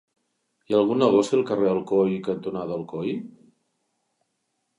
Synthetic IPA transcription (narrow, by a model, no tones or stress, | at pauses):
iaəlˠɣunːəɣɔsiəlˠkəreəlˠkɔjkənt̪unaðəlˠkɔj